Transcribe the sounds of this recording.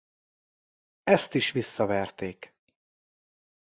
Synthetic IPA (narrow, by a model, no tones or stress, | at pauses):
ɛst̪iʃʋisːɒvɛrt̪eːk